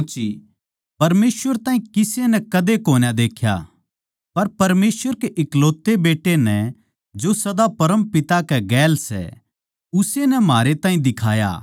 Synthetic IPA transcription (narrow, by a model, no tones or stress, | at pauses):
t͡ʃi | pɐɾmeːsʋəɾt̪ãːĩkɪsenɛkɐd̪ekoːnjad̪eːkʰja̰ | pɐɾpɐɾmeːsʋəɾkeʔɪkloːt̪ːebeːʈːenɛ | d͡ʒosɐd̪apɐɾəmpɪt̪akɛɡɛːlsɛ̰ | ʊsenɛmaːɾet̪ãːĩd̪ɪkʰaːja̰ː